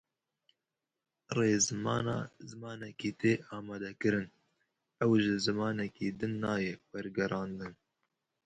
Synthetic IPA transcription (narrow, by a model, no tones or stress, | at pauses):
reːzɨmɑ̰ːnɑːzɨmɑːnɛkiːt̪eːʔɑːmɑːd̪ɛkɨɾɨn | ɛwʒɨzɨmɑːnɛkiːd̪ɨnːɑːjɛwɛɾɡɛɾʔɑːnd̪ɨn